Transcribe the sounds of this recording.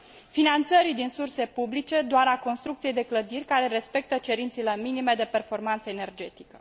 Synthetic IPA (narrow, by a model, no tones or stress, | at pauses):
finant̪səɾid̪insurse̞publit͡ʃe̞d̪oaɾako̞nst̪ɾukt̪sije̞jd̪e̞kləd̪irʲkaɾe̞ɾe̞spe̞k̚t̪ət͡ʃe̞ɾint̪sileminime̞d̪e̞pe̞rfo̞rmant̪səene̞rd͡ʒe̞t̪i̥kə